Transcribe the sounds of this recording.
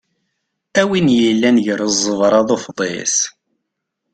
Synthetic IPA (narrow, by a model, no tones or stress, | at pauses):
æwinjəlːænʝəɾəzˤːəvɾˤɑðˤofðˤḛs